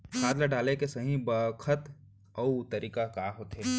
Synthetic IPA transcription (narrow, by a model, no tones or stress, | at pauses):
kʰaːd̪laɖaːlekesɐɦĩbəkʰət̪ | ɔut̪əɾiːkakaːɦoːt̪ɦeː